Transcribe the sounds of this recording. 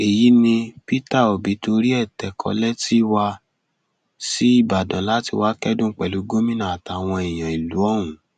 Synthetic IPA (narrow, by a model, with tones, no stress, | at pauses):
e˨ji˨˦nĩ˧pi˦ta˦˨o˨bi˨˦to˧ɾi˦ɛ˦˨tɛ˨˦kʰɔ̰˧lɛ˦ti˦wa˧ | si˦i˦˨ba˨dã˨˦la˨˦ti˧wa˦kɛ˦dũ˦˨k͡pɛ˨lu˨˦ɡo˦mĩ˦nã˦˨a˨ta˨w̃ɔ̃˧i˨j̃ã˨i˨lu˨˦ɔ˦˨w̃ũ˨˦